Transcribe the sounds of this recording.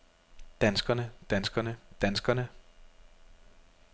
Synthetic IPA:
d̥ænsɡ̥ɐnəd̥ænsɡ̥ɐnəd̥ænsɡ̥ɐnə

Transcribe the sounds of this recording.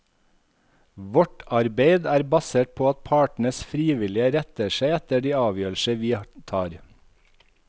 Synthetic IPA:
ʋɔʈɑɾbeɪd̪æːɾbɑseːʈ̚pʰoːɑt̪̚pʰɑːʈɳ̩əsfɾiːʋɪlɪəɾɛt̪əʃeɪɛt̪əɖiːɑːʋjøːlʃəʋiːt̪ʰɑːɾ

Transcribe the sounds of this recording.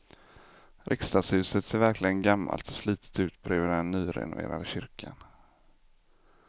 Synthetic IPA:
ɾʔɪkst̪ɑːshʉ̟ːsət̪seːɾvæɾklɪɡənɡamːa̰lt̪ɔ̥sliːt̪ə̥t̪ʉ̟ːt̪̚bɾøːvəɖɛnːyːɾɛ̰nʊ̰vḛːɾad̪əɕʏɾkʰan

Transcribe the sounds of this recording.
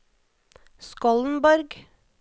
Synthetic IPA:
skɔln̩bɔɾɡ

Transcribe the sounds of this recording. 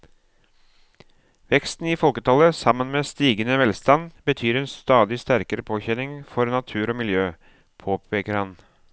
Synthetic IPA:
ʋɛkst̪n̩iːfɔlkət̪ʰɑləsɑmənmeːst̪iːɡənəʋɛlst̪ɑnbət̪ʰyːɾɛːnst̪ɑːd̪ɪst̪æɾkəɾəpʰoːçɛnɪŋfɔɾnɑt̪ʰʉːɾoːmɪljøː | pʰoːpʰeːkəɾhɑn

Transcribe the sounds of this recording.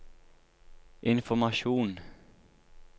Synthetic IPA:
ʔɪnfɔmɑʃuːn

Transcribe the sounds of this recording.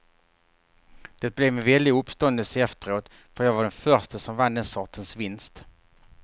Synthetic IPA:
d̪̥ɛt̪̚blɛvmɛnvɛlːɪɵpst̪ɔnd̪əlsəɛft̪əɾoːt̪ | fœɾjɑːɡvaɖɛnfœɾʂʈəsɔmvand̪ɛnsɔʈənsvɪnst̪

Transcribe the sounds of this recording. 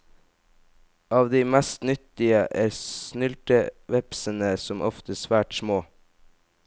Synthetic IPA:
ɑːʋd̪iːmæst̪nʏt̪ɪəʔæːɾsnʏlʈəʋɛpsənəsɔmʔɔ̰ft̪əsʋæːʈsmoː

